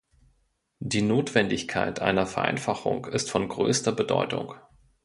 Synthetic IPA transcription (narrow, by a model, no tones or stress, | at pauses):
d̥iːnoːtv̥ɛndɪçkʰa̰ɪtʔa̰ɪnɐfɛɐʔa̰ɪnfaχʊ̰ŋɪstfɔnɡʁø̰ːstɐbədɔ̰ʏtʊ̰ŋ